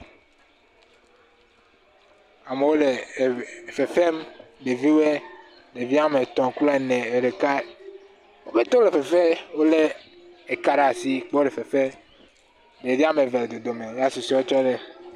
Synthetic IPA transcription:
a˨me˨wo˦le˨ | fe˨fe˦mbe˨vi˦we˦ | ɖe˨vi˦a˦me˨t̪ɔ̃˨klɔ˦e˨nɛ˨e˨ɖe˨ka˦ | wo˦be˦t̪ɔ˦le˨fe˨fe˦wo˦le˦ | e˨ka˨ɖa˨si˦k͡pɔ˦ɖe˨fe˨fe˦ | ɖe˨vi˦a˦me˨ve˨le˨d̪o˨d̪o˨me˨ja˦su˨si˦wo˦t͡ʃɔ˦ɖe˦

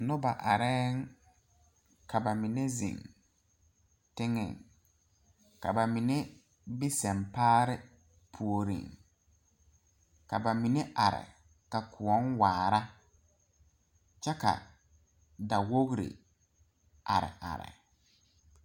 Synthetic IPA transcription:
nʊ˦ba˨ʔa˨ɾɛ˦ŋ | kʰa˨ba˨mi˨ne˦zḭ˨ŋ | tɪ˦ŋɛ̰˨ŋ | ka˨ba˨mɪ˨ne˦ | bi˦sɛ˨mpaː˦ɾɪ˦ | pʰu˨o˨ɾḭ˨ŋ | ka˨ba˨mi˨ne˦ʔa˨ɾɪ̰˨ | ka˨kʰʊ˨ɔ˦nwaː˨ɾa˦ | t͡ʃɛ˦ka̰˨ | da˨wo˦ɣɾḭ˨ | a̰˨ɾɪ̰˨ʔa̰˨ɾɪ̰˨

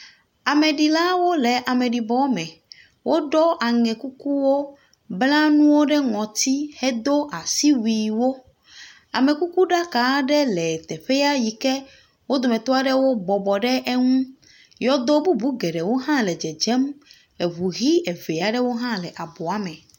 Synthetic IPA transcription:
a˨mɛ˨ɖi˨la˦wo˦le˨ʔa˨mɛ̃˨ɖi˨bɔ˨˦mɛ̃˨ | wʔo˦ɖɔ˦ʔa˨ŋɛ̃˨ku˦ku˦wo˦ | bla˦nũ˦wo˦ɖɛ˦ŋɔ̃˨t̪i˦hɛ˦d̪o˦ʔa˨si˦wi˨wo˦ | a˨me˨ku˦ku˦ɖa˦ka˨˦ɖɛ˦lɛ˨t̪ɛ˨ɸe˦ja˦ji˨kɛ˦ | wo˦d̪o˨mɛ̃˨t̪o˦a˦ɖɛ˦wo˦bɔ˨bɔ˨ɖɛ˦ʔe˦ŋũ˦ | jɔ˦d̪o˦bu˦bu˦ɡɛ˨ɖɛ˨wo˦ɦã˦lɛ˨d͡ʒɛ˨d͡ʒɛ˦m | e˨βu˨ɣi˦ɛ˨ve˨a˨ɖɛ˦wo˦ɦã˦lɛ˨ʔa˨bɔ˨a˨mɛ̃˨

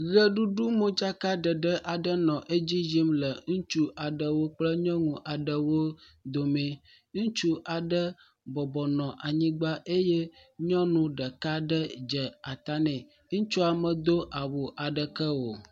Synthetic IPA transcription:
ɣə˦ɖu˦ɖu˦mõ˦d͡ʒa˦ka˦ɖə˨ɖə˦ʔa˨ɖə˦nɔ̃˨ʔe˦d͡ʑi˦d͡ʒi˦mlə˨ŋũ˦t͡ʃu˦ʔa˨ɖə˨wo˦k͡plə˦ɲɔ̃˦ŋũ˨ʔa˨ɖə˨wo˦ | d̪o˨mẽ˨ | ŋũ˦t͡ʃu˦ʔa˨ɖə˦ | bɔ˨bɔ˨nɔ̃˨ʔa˨ɲĩ˦ɡ͡ba˦ʔe˦jɛ˦ɲɔ̃˦nũ˦ɖə˨ka˦ɖə˦d͡ʒə˨a˨t̪a˦nɛ̃˨ | ŋũ˦t͡ʃu˦a˨mə̃˨d̪o˦ʔa˨wo˨ʔa˨ɖə˨kə˦wo˨

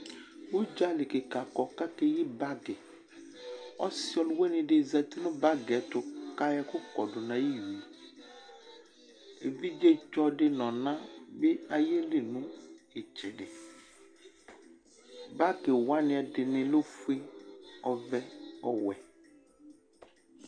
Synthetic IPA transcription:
u˦d͡ʒa˦lɪ˨kɪ˨ka˨kɔ˨ka˦ke˦ji˦ba˦ɡɪ˨ | ɔ˦sɪ˦ɔ˦˨lwe˦nɪ̃˨dɪ˨zɛ˨tɪ˦nʊ̃˦ba˦ɡɛ˨tʊ˨ka˦jɛ˦kʊ˦kɔ˨dʊ˨nã˨ji˦ji˨ | e˨vi˦d͡ʒe˦t͡ʃɔ˦dɪ˦nɔ̃˨nã˦bɪ˦a˨je˦lɪ˨nʊ̃˦ɪ˨t͡ʃɪ˨dɪ˨ | ba˦ɡɪ˨wa˦nɪ̃˨˦ɛ˨dɪ˨nɪ̃˨lo˦fu˦e˦ɔ˨vɛ˦ɔ˨wɛ˨

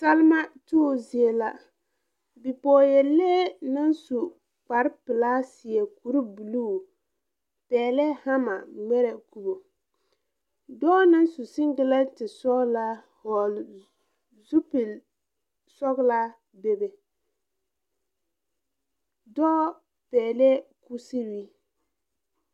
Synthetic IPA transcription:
ta˦lma˦tuː˦˨zi˨e˨la˦ | bi˨pɔː˨jɛ˨lːɛː˦na˦nsu˨ | k͡pa˨ɾpɪ˨laː˦sɪ˨ɛ˨ku˨ɾi˦bu˨lu˦˨ | pɛː˨lɛ˦ha˦ma˨ŋ͡mɛ˦ɾɛ˨ku˨bo˨ | dɔ˦na˦nsu˨sɪ˦ŋɡɪ˦la˦tɪ˨sɔ˦ɡla˦ | hɔ˨l | zu˦pi˨l | sɔ˦ɡla˦ | be˦be˨ | dɔː˦ | pɛː˨lɛ˦ku˦si˦wi˦

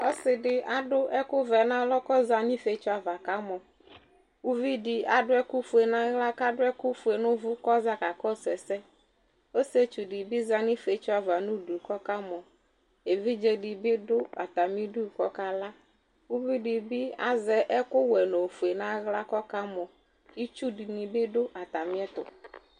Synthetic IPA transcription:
ɔ˦sɪ˨dɪ˨a˨ɖʊ˦ʔɛ˦kʊ˦vɛ˨nã˦lɔ˦kɔ˦za˨ɲĩ˦fe˨˦t͡ʃʊ˦a˨va˨ka˦mɔ˨ | u˦vi˦dɪ˨a˨dʊ˦ɛ˦kʊ˦fu˨e˨nã˦ɣla˦ka˦ɖʊ˦ɛ˦kʊ˦fu˨e˨nʊ̃˦vʊ˦kɔ˦za˦ka˨kɔ˦sɛ˨sɛ˦ | o˦se˦t͡ʃu˨ɖɪ˨bi˦za˨nɪ̃˦fe˨˦t͡ʃʊ˦a˨va˨nʊ̃˦du˨kɔ˦ka˦mɔ˨ | e˨vi˦d͡ʒɛ˦ɖi˨bɪ˦dʊ˦a˨t̪a˨mĩ˦ɖu˦˨kɔ˦ka˦la˦ | wu˦vi˦di˨bi˦a˦zɛ˦ʔɛ˦kʊ˦wɛ˨no˨fu˨e˨nã˦ɣla˦kɔ˦ka˦mɔ˨ | i˦t͡ʃu˦di˨nĩ˨bɪ˦ɖʊ˦ʔa˨t̪a˨mɪ̃˦ɛ˦t̪ʊ̰˨

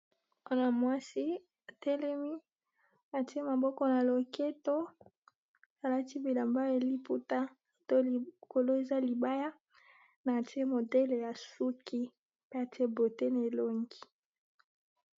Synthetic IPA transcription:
a˦na˨mwa˦si˦ | a˨tɛ˦lɛ˦mi˦ | a˨ti˦e˦ma˨bɔ˦kɔ˦na˨lo˨ke˦to˦ | a˨la˦ti˦bi˨la˨mba˦e˨li˦pu˦ta˦˨ | to˦˨ko˨lo˦e˨za˦li˨ba˦ja˦ | na˨ti˦e˦mo˨dɛ˦le˨ja˨su˦kʰi˦ | pe˦a˨tʰi˦e˦bo˨te˦ne˨lo˨ŋɡi˨˦

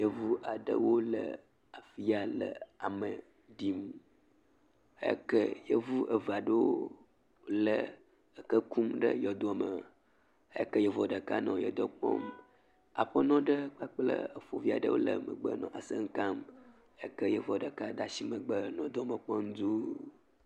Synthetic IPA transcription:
jə˦vu˦ʔa˨ɖə˦wo˦lə̰˨ | a˨fi˦a˨lə̰˨a˨mə˨ | di˦m | ḛ˦kə˦jə˦vu˦ʔə˨va˨ɖə˦wo˦ | lə˦ | ə˨kə˦ku˦mɖə˦jɔ˨d̪o˦ɔ˨mə˨˦ | ɛ˦kə˦jɛ˨vɔ˨ɖə˨ka˦nɔ̃˨jɛ˨d̪ɔ˦k͡pɔ̰˦m | a̰˨ɸə˦nɔ̃˦ɖə˦k͡pa˦k͡plə̰˦ə˨fo˨vi˦a̰˨ɖə̰˦wo˦lə̰˦mə̃˨ɡ͡bə˦nɔ̃˨ʔa˨sə˦ŋ̩˦ka˦m | ḛ˦kə˦jə˦vɔ˨ɖə˨ka˦ɖa˨si˦mə̃˨ɡ͡bə˦nɔ̃˨d̪ɔ˦mə̃˨k͡pɔ˦ŋ˦d̪u˦

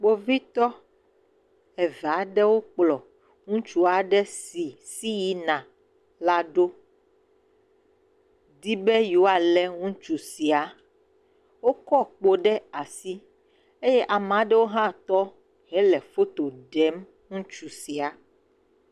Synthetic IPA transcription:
k͡po˦vi˦t̪ɔ˦ | ɛ˨va˨˦ɖɛ˦wo˦k͡plɔ˨ | ŋũ˦t͡ʃu˦a˨ɖɛ˦si˨si˦ji˨nã˨ | la˦ɖo˦ | d̪i˦be˦ji˨wo˦a˨lɛ˦ŋũ˦t͡ʃu˨si˨a˨ | wo˦kɔ˦k͡po˦ɖɛ˦a˨si˦ | e˦jɛ˦ʔa˨m˨ã˨˦ɖɛ˦wo˦ɦã˦˨t̪ɔ˦ | ɦɛ˦lɛ˨fo˦t̪o˨ɖɛ˨˦m | ŋũ˦t͡ʃu˨si˨a˨

